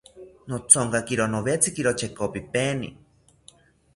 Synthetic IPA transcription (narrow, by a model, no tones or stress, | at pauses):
not͡sʰoŋkakiɾonoβet͡sʰikiɾot͡ʃʰekopipeːnḭ